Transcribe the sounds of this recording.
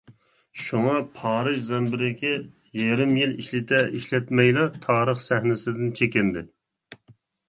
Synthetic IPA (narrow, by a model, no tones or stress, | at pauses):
ʃuŋɑpʰɑːɾɨʒzɛnbɪɾɪkʲʰɛ | jeɾɪmjiliʃlɪt̪ʰɛiʃlɛt̪mɛjlˠɑt̪ʰɑːɾəχsɛhnɪsɪd̪ɪnt͡ʃʰekʲɪnd̪ɪ